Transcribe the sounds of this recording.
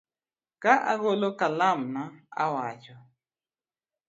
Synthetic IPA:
kaʔa̰ɣolokalamnaa̰wat͡ʃɔ

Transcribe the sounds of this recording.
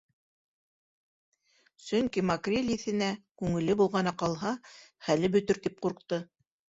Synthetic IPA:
sɵŋkimɐkrʲelʲiθɘ̆nækʉŋɘ̆lɘbulˠʁɑnɑqɑlˠɦɑχælɘbɵ̆t̪ɵɾt̪ip̚quɾqt̪ɤ

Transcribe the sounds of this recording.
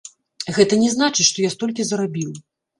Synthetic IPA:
ɣɛt̪ɐnʲɛznat͡ʂɨʂt̪ɔjast̪ɔlʲkʲizɐɾabʲiw

